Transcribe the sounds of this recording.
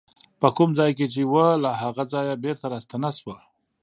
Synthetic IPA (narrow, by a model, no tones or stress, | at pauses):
pəkumzɑjket͡ʃewəlaɦaɣazɑjabeɾt̪aɾɑst̪anaswa